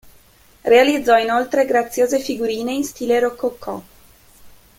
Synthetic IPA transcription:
realid̪zːɔinolt̪ɾeɡɾat̪sːjoːzefiɡuɾiːneinst̪iːleɾokːokʰːɔ̰

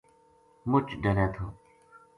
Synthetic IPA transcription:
mʊt͡ʃɖəɾeːt̪ʰoː

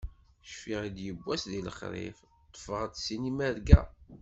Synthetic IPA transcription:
ʃfiʁid̪jəbʷːæsðiləχɾˤḭf | t̪ˤːə̥fəʁət̪sinimæɾɡæ̰

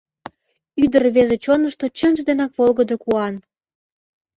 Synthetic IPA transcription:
yd̪ərβezet͡ɕonəʃt̪ot͡ɕənʒd̪enɑkβolɣəd̪okuɑn

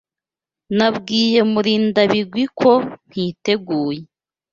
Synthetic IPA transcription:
nabɡiːje̞muɾiːndaβiɡwikʰo̞n̥hite̞ɡuːje

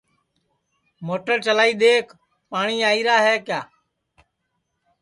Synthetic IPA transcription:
moːʈəɾt͡ʃəlaːiːɗ̪eːk | paːɳiːaːiːɾaːɦɛːkjaː

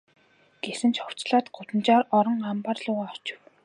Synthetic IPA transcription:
ɡ̥esɘ̆nt͡ɕχɔw̥t͡ɕɮaːt̪ɢʊt̪ə̆nt͡ɕaːɾɔɾɞ̆ŋampaːrɮʊːʁaːɔt͡ɕɪ̆w

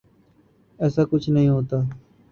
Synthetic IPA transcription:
ɛːsaːkʊt͡ʃʰnəɦĩːɦoːt̪aː

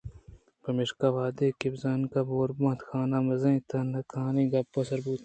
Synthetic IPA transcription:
pɐmɪʂkaʋaːd̪eːkibzaːnkaboːɾbãːnt̪xaːnamɐzɐ̃ĩt̪ʰɐnɐkʰaːnĩːɡɐbːosɐɾbuːt̪

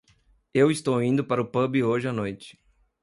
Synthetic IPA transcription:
ewɪst̪owĩnd̪ʊpaɾɐʊpɐbɪoʒɪanojt͡ʃɪ̥

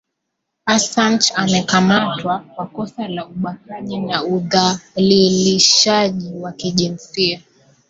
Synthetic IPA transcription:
asant͡ʃamɛkamatwakwakɔsalauɓahaʄinauðaliliʃaʄiwakiʄinsia

